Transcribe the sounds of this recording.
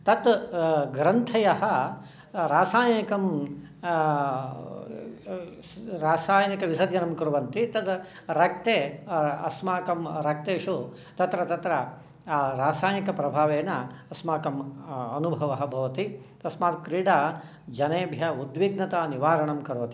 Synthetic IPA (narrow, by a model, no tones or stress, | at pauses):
t̪ɐt̪ɡɾɐnt̪ʰɐjɐɦɐ | ɾaːsaːjikɐm | ɾaːsaːjɐnikɐʋisɐt̪jɐnɐmkɐɾuʋɐnt̪it̪ɐt̪ | ɾɐk̚t̪eːɐsmaːkɐmɾɐk̚t̪eːʂu | t̪ɐt̪ɾɐt̪ɐt̪ɾɐ | ɾaːsaːjnikɐpɾɐbʱaːʋeːnɐɐsmaːkɐmɐnubʱɐʋɐɦɐ̆bʱɐʋɐt̪it̪ɐsmaːt̪kɾiːɖaː | d͡ʒɐneːbʱjɐud̪ʋiɡnɐt̪aːniʋaːɾɐɳɐmkɐɾuʋɐt̪i